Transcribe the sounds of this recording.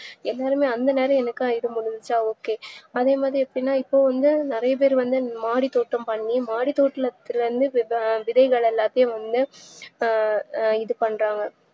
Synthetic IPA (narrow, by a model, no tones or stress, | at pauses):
ɛlːaːɾɯmeːɐnd̪ɐneːɾɐ̃ɛnɐkːɯajɪɽɯmʊɻʊnɪt͡ʃːaːoːkːeːɐðeːmaːðɾiɛpːɐɽinːaːɪpːoːʋɐnd̪ɯnɪɾɐjɐp̬eːɾʋɐnd̪ɯmaːɽit̪oːʈːɐmpɐɳːimaːɽit̪oːʈːɪlɐt̪ːɪlɾɯnd̪ɯʋɪðɐɪɣɐɭɛlːaːt̪ːɐjɐ̃ʋɐnd̪ɯ | ɪðɯpɐɳːɾaːŋɡɐ